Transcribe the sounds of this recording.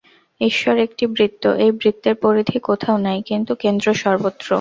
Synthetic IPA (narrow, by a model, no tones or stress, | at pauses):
eʃɔɾek̚ʈibɾit̪ːo̰ʔejbɾit̪ːeɾpoɾid̪ʱikot̪ʰaonajkint̪ukend̪ɾoʃɔɾbot̪ːɾo̰